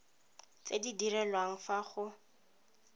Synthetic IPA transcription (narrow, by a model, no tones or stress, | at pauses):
t͡sedidirɛlwaŋ̩faχʊ